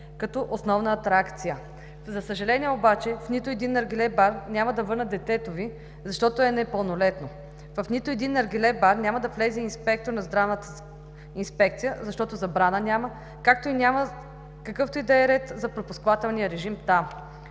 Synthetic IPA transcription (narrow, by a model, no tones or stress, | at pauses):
kɐt̪oʔosnɔvnəːt̪ɾakt̪sijə | zɐsəʒɐlɛniɛobat͡ʃɛfnit̪ʊɛd̪inːɐɾɡilɛbaɾnʲamɐd̪ɐvɤɾnət̪d̪ɛt̪ɛt̪ovi | zɐʃt̪ɔt̪oɛnɛpəlˠnolɛt̪no | vɐfnit̪ʊɛd̪inːɐɾɡilɛbaɾnʲamɐd̪ɐflɛziinspɛk̚t̪oɾnɐzd̪ɾavnət̪ə | inspɛkt̪sijəzɐʃt̪ɔt̪ozɐbɾanənʲamə | kak̚t̪oinʲamə | kɐkɤft̪ʊid̪ɐɛɾɛt̪zɐpɾopʊskvat̪ɛlˠnijəɾɛʒimt̪am